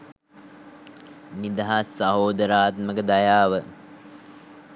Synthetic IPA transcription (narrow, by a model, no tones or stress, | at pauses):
nid̪ɐɦasːaɦoːd̪əɾaːt̪məkəd̪ajaːʋə